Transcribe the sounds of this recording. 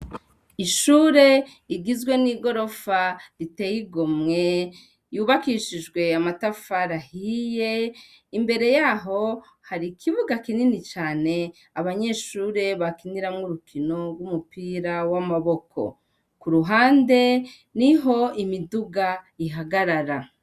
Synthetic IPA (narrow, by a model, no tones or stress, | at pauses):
iʃuːɾe̞ | iɡizɡwe̞niːɡo̞ɾo̞faɾite̞jiɡomŋe̞ | juːβakiːʃid͡ʒɡwe̞amatafaɾahije̞ | imbe̞ɾe̞jaɦo̞ | haɾikʰiβuɡakininit͡ʃaːne̞ | aβaɲe̞ːʃuːɾe̞βakiniɾamŋuɾukʰino̞ɾɡwumupiːɾawamaβo̞kʰo̞̰ | kuɾuɦaːnde̞ | niɦo̞imiduɡaiɦaɡaɾaɾa